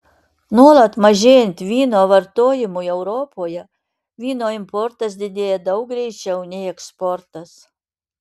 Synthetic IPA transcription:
nuɔlˠɐt̪mɐʒʲeːjɛnʲt̪ʲʋʲiːnoːʋɐɾt̪oːjɪmuɛʊɾɔpoːjɛ | ʋʲiːnoːɪmpɔɾt̪ɐsd̪ʲɪd̪ʲeːjɛd̪ɐʊkɡɾʲɛɪt͡ʃʲɛʊnʲɛɪɛkspɔɾt̪ɐs

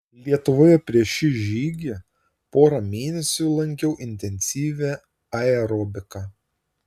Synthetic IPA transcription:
lʲiɛt̪ʊʋoːjɛpʲɾʲiɛʃʲɪʒʲiːɡʲe | poːɾɐmʲeːnʲɛsʲʊlˠɐŋʲkʲɛʊʔɪnʲt̪ʲɛnʲsʲiːʋʲe | ɐɛɾɔːbʲɪkɑ

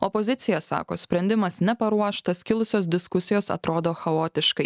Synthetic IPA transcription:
ɔpɔzʲɪt̪sʲɪjɛsɑ̰ːko̰ːsʲpʲɾʲɛnʲd̪ʲɪmɐsnʲɛpɐɾuɔʃt̪ɐskʲɪlˠʊsʲoːs̬d̪ʲɪskʊsʲɪjoːsɐ̰t̪ɾoːd̪oːxɐoːt̪ʲɪʃkɐɪ

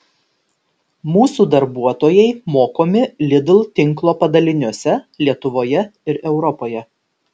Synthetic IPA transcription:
muːsuːd̪ɐɾbuɔt̪oːjɛɪmoːkoːmʲɪlʲɪd̪lˠt̪ʲɪŋˑklˠoːpɐd̪ɐlʲɪnʲuɔsʲɛlʲiɛt̪ʊʋoːjɛɪɾɛʊɾɔpoːjɛ

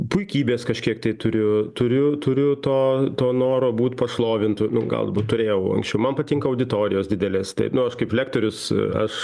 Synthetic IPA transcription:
pʊɪkʲiːbʲeːskɐʃʲkʲiɛkt̪ɐɪt̪ʊɾʲʊt̪ʊɾʲʊt̪ʊɾʲʊt̪oːt̪oːnoːɾoːbuːt̪ʲpɐʃlˠoːʋʲɪnt̪ʊnʊɡɐ̰lˠd̪ɐbuːt̪tʊɾʲeːjɛʊɐ̰ŋksʲt͡ʃʲɛʊmɐnpɐt̪ʲɪŋkɐɐʊd̪ʲɪt̪oːɾʲɪ̰joːsdʲɪd̪ʲɛlʲeːst̪ɐ̰ɪnʊɐʃkɐɪplʲæːk̚t̪oːɾʲʊsɐ̰ʃ

